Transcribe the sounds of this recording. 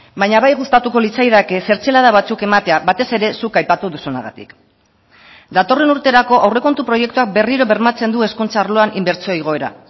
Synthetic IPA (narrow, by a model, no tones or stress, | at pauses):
bajɲaβajɣust̪at̪uko̞lit͡sajðake̞se̞ɾt͡se̞lað̞aβ̞at͡suke̞mat̪e̞aβat̪e̞se̞ɾe̞sukajpat̪uðusuna̰ɣa̰t̪ḭk | d̪at̪o̞re̞nuɾt̪e̞ɾako̞ʔawre̞ko̞nt̪upɾoje̞kt̪uak̚be̞riɾo̞βe̞ɾmat͡se̞nd̪ue̞skunt͡saːɾlo̞animbe̞ɾt͡sioiɣ̞o̞e̞ɾa̰